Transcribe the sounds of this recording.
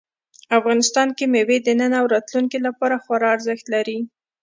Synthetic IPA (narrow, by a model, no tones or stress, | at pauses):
afɣɑnɪst̪ɑnkemewed̪ənənaːwɾɑt̪luŋkilapɑɾaxaɾɑaɾzəxt̪laɾi